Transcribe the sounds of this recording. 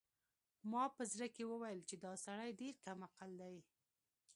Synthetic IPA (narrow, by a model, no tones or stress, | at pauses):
mɑpəzɾəkewəwajəlt͡ʃed̪ɑsaɽajɖeɾkamaqald̪aj